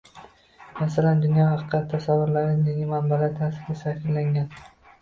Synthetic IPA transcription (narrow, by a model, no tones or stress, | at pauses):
masaland̪ʊnjɒhɑqʰɨqʰːɑt̪ʰːasavːʊɾlaɾɪjaɡʲɪmanbalaɾt̪ʰasɪɾɡʲasafʲɪɾlaŋɡʲan